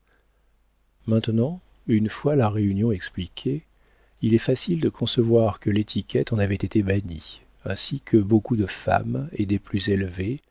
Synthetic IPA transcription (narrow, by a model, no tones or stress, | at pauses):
mɛ̃t̪nɑ̃ | ynfwalaʁeynjɔ̃ɛksplikʲʰe | ilɛfasild̪əkʰɔ̃səvwaʁkəlet̪ʰikʲɛt̪ɑ̃navɛt̪et̪ebaɲi | ɛ̃sikʰəbokud̪əfa̰med̪eplyzelve